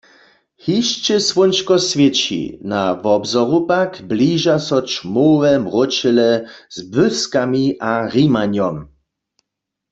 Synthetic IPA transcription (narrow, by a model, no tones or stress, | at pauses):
hiʃt͡ʃɛswɔnt͡ʃkɔsvʲjɛt͡ɕḭnavɔbzɔʁupakbliʒasɔt͡ʃmovɛmʁɔt͡ʃɛlɛz̥bøskamiʔaɣimaɲjɔm